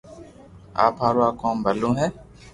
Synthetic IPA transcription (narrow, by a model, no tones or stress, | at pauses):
a̰ːpɦaːɾuaːkoːmbʱəlõːɦɛː